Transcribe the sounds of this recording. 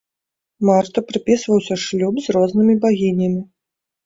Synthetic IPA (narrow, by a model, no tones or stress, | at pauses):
mart̪ɐpɾɨpʲisvɐwsʲɐʂlʲubzrɔznɨmʲibaɣʲinʲɐmʲi